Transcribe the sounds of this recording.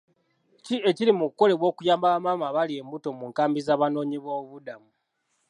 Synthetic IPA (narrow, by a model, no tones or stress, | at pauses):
cie̞ciɾimukukːo̞le̞βwo̞ːkujaːmbaamamaβalie̞ːmbuto̞muːŋkaːmbizaːβano̞ːɲiβoːβudamu